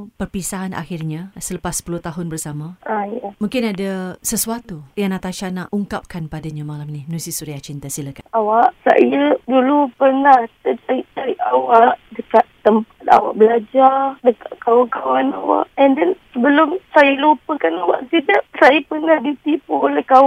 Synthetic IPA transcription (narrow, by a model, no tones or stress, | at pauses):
pərpisaɦanʔa̰xirɲãsələpasːə̥pulʊht̪aɦʊnbərsamãajamũŋkɪnadasəsuat̪ujaŋnat̪aʃanaʔuŋkap̚kanpadaɲãmalaminimənũsisuɾiat͡ʃint̪asilakaawaʔsa̰ʔijədulupərnaht̪əd͡ʒaɾiʔt̪aɾiʔawaʔdəkaʔ̪əmpat̪̚a̰wa̰ʔbəlad͡ʒardəkaʔkawaŋkawanawa̰ʔɛndɛnsəbəlʊmsajalupəkanawa̰ʔsidaʔsajapərnahdit̪ipuolɛhkawa